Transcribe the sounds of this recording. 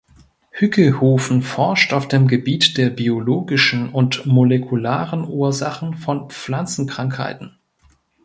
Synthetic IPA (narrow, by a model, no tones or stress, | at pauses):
hʏkʰəhoːfn̩fɔɐʃtaʊfd̥eːmɡəbiːtd̥eːɐbioloːɡɪʃn̩ʊntmolekʰulaːʁənʔuːɐzaχn̩fɔnp͡flant͡sn̩kʁ̥aŋkha̰ɪtn̩